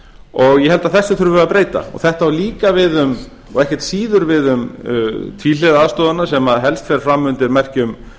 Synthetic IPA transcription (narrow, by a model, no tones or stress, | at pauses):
ɔɣjɛhɛlt̪aðθɛsːʏθʏɾvʏʏapɾeːjt̪a̰ɔ̰θɛht̪aawliːkavɪðʏm | ɔ̰ɣɛhcɛɾ̥t̪siːðʏɾvɪðʏmt̪ʰviːlɛðaaːðst̪ɔːðanasɛmaðɦɛlst̪fɛːɾfɾamːʏnt̪ɪɾmɛr̥cʏm